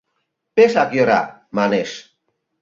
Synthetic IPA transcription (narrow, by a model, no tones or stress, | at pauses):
pesakjoɾa̰ | maneʃ